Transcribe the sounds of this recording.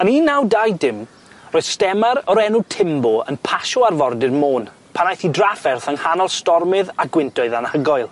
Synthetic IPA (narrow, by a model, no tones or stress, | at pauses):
əniːnːawdajdɪm | roːjðstɛmaɾɔɾɛnutʰɪmbɔə̰npʰaʃɔarvɔrdɪrmoːn | pʰanajθidrafɛrθaŋhanɔlˠstɔrmɪðaɡwɪntʰɔɨðanhəɡɔjlˠ